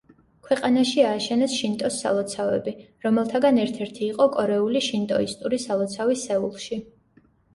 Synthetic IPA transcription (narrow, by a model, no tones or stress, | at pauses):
kʰwɛqʼanaʃiaːʃɛnɛsʃint̪ʼɔsːa̰lˠɔt̪sʰavɛbi | ɾɔmɛlˠt̪ʰaɡanɛɾt̪ʰɛɾt̪ʰiːqʼɔkʼɔɾɛuliʃint̪ʼɔist̪ʼuɾisalˠɔt̪sʰavisɛulˠʃi